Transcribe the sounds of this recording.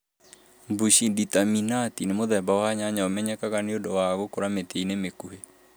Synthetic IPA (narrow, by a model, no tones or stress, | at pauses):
buɕiditaminatinemoðɛbawaɲaɲaomɛɲɛkaɣaneodɔwaɣokoɾameteinemekuhe